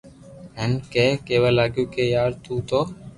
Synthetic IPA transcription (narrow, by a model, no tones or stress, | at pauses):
ɦɛnkeːkeːʋaːlaːɡjũːkeːjaːɾt̪ũːt̪oː